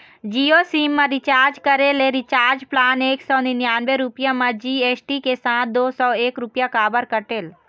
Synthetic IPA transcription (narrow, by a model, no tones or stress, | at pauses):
d͡ʒiːosiːmːãɾit͡ʃaːɾd͡ʒkəɾeleɾɪt͡ʃaːɾd͡ʒplaːneːksɔːninjaːnʋeɾupjãmãd͡ʒiːeːsʈikesãːt̪̚ʰd̪oːsɔːeːkɾʊpjakaːbəɾkəʈeːl